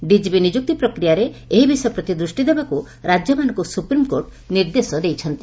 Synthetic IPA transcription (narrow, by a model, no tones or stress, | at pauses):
ɖid͡ʒibinid͡ʒuk̚t̪ipɾɔkɾijaɾeeɦibisɔjɔpɾɔt̪id̪ɾusʈid̪ebaku | ɾad͡ʒjɔmanɔ̃ŋkusupɾimkoɾʈ | niɾd̪esɔd̪ejt͡ʃʰɔnt̪i